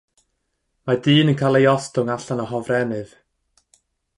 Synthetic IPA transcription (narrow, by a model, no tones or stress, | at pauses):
madɨːnənkʰalˠejɔstʊŋaɬanɔɦɔvrɛnɨv